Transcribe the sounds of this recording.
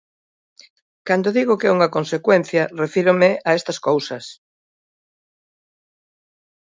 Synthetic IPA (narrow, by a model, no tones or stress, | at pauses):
kand̪oðiɣokɛuŋɐkonsekwɛn̟θjɐrefiɾomɪʔɐɛst̪ɐskowsɐs